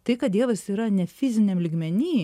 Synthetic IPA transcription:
t̪ɐɪkɐt̪d̪ʲiɛʋɐsiːɾɐnʲɛfʲɪzʲɪnʲɛmlʲiːɡmʲɛnʲiː

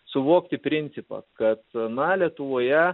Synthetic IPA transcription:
sʊʋoːkt̪ʲɪpʲɾʲɪnʲt̪sʲɪpɑ̰kɐt̪nɐlʲiɛt̪ʊʋoːjɛ

